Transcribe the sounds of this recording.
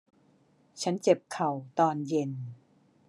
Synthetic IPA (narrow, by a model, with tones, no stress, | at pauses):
t͡ɕʰa˦˥nt͡ɕe˨˩p̚kʰa˨˩wt̪ɔː˧nje˧n